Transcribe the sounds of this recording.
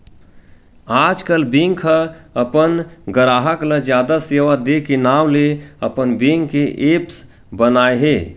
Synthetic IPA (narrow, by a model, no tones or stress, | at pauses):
ad͡ʒkəlbĩŋɡʰəəpənɡəɾaːɦəkləd͡ʒjaːd̪aseʋad̪ekenawleəpənbiŋɡkːeʔeps | bənaːeɦe